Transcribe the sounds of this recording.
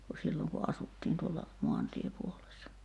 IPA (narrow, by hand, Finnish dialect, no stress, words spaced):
ku silːoŋ ku ɑsutːiːn tuolːɑ moɑntiepuolesːɑ